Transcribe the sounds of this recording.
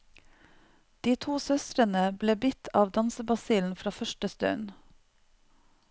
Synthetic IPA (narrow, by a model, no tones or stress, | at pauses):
d̪̥iːt̪ʰuːsœst̪ɾənəbleːbɪt̪ʰɑːʋd̪ɑnsəbɑsiːln̩fɾɑːfœʃʈəst̪œ̰n